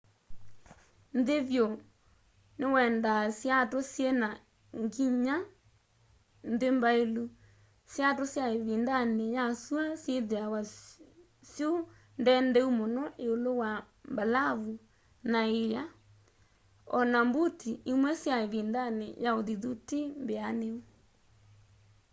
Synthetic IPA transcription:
nðeβjo | newɛndasjatosjena | ŋɡiɲa | nðembaelu | sjatosjaeβindanejasuasjeðeawa | sjo | ndɛndɛumonɔʔeolowa | mbalaβu | naeja | ɔnambutiimwɛsjaeβindanḛjaoðiðutimbeaneu

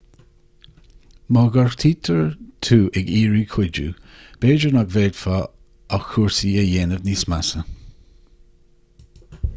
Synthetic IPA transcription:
mɔɡɔɹxt̪ʰiːt̪ʰəɹt̪ʰuːʔɛɡiːɹikʰwɪd͡ʒṵ | b̥eːd͡ʒənaɡveːd̥fa | axuɹsiəjeːnəvnismasə

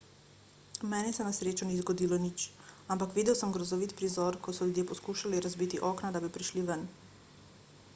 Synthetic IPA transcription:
mɛːnɛsɛnasɾeːt͡ʃunizɡɔd̪iːlɔnit͡ʃampakʋid̪ɛwsəmɡɾɔzɔʋit̪pɾizɔɾkɔt̪sɔljud̪jeːpɔskuːʃaliɾazbit̪iʔɔːknad̪abipɾiʃliʋən

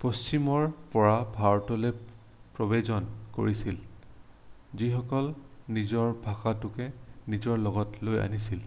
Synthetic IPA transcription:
post͡ʃimɔɹpɔɹabʱaɹtɔlɛ | pɹɔbezɔnko̰ɹisil | zixɔkɔlnizɔɹbʱaxatʊkɛnizɔɹlɔɡɔtloja̰nisil

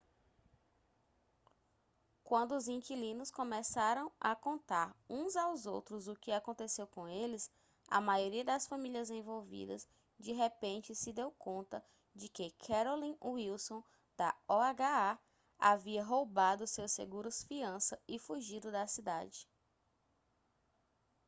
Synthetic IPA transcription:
kwɐ̃nd̪ʊːzĩkilĩnʊskõmɛsaɾɐ̃w̃ɐkõnt̪aɾũzawzowt̪ɾʊzʊkɪakõnt̪esewkõelɪs | ɐ̰majoɾiɐd̪ɐsfɐmiliɐzẽvowvḭd̪ɐ̰s | d͡ʒiɦepẽnt͡ʃɪsɪd̪ewkõnt̪ɐ | d͡ʒɪkɪkʰɛɾolĩuiwsõ | d̪̥ɐɔaɡaa | a̰viɐɦowbad̪ʊsewsḛɡuɾʊsfiɐ̃sɐɪfuʒid̪ʊd̪ɐsid̪a̰d͡ʒɪ

